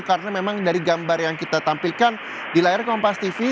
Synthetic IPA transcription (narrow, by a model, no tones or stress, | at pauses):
kaɾənamemaŋdaɾiɡambarjaŋkit̪at̪ampilkan | dilaɪrkɔmpast̪ifi